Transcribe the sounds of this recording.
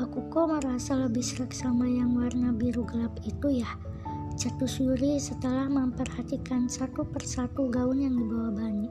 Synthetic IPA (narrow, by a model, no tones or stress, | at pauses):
akukoməɾasaləbɪhsəɾəksamajaŋwarnabiɾuɡəlapit̪ujah | t͡ʃət̪usuɾisət̪əlahməmpərhat̪ikansat̪upərsat̪uɡaʊnjaŋdibawabaɲi